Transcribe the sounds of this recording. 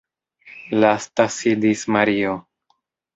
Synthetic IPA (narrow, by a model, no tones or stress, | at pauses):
last̪asidismaɾio